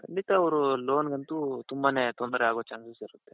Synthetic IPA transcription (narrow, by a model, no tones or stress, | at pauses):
kʰɐɳɖit̪aɐʋɾuloːnɡɐnt̪ut̪umbanet̪ɔnd̪ɾeaːɡot͡ʃaːnsɐsiɾut̪ːe